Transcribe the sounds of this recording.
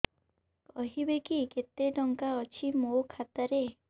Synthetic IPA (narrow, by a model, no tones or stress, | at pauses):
kɔɦibekiket̪eɖɔŋkaɔt͡ʃʰimokʰat̪aɾe